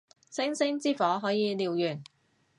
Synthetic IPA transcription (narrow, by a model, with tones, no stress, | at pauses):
sɪ˥ŋsɪ˥ŋt͡siː˥fɔː˨˥ɦɔː˨˥jiː˨˧liː˨wjyː˨˩n